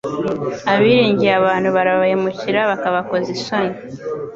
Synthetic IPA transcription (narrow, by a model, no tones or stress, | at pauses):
aβiːɾiːɲɟijaβaːn̥huβaɾaβahimuciɾaβakaβako̞zisoɲi